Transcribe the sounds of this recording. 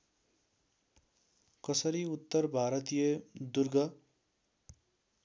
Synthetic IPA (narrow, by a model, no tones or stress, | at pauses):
kʌsʌɾiut̪ːʌrbʱaɾʌt̪ijʌd̪urɡʌ